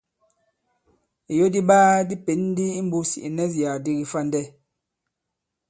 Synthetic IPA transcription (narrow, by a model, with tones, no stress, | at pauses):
i˨jo˦di˦ɓaː˦di˦pe˨˦n˦di˦i˦m̩˦bu˦si˨ʔi˨nɛ˦z̬i˨a˨di˦ɡi˨fa˦˨n˨dɛ˦˨